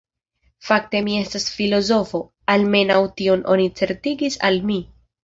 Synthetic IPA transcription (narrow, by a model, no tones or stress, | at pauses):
fak̚te̞mie̞stasfilo̞zo̞fo̞ | alme̞nawtio̞nʔo̞̰nit͡se̞ɾtiɡisa̰lmi